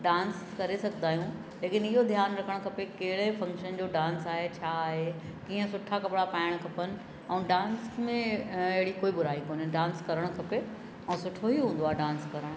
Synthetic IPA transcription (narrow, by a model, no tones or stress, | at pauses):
ɖãːns | kɐɾesɐɡʱnaːɦijũ | leːkɪnɪɦod̪ʱjaːnɾɐkʰəɽ̃kʰɐpekɐɦɪɽefɐ̃ŋkʃənd͡ʑoːɖãːnsaːɦet͡ɕʰaːɦe | kiːə̃sʊʈʰakɐɓɽapaːɪɽ̃kʰɐpənɪ̆ | ɛ̃ːɖãːnsmẽɐɦɪɽikoːibʊɾaːikoːnɪɖãːnskɐɾəɽ̃kʰɐpe | ɛ̃ːsʊʈʰoɦiɦũːnd̪oaːɦeɖãːnskɐɾəɽ̃